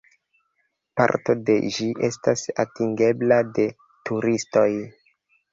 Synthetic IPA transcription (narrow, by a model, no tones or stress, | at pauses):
pa̰ɾto̞de̞ʒiʔe̞stasatiŋɡe̞blade̞ | tuɾisto̞j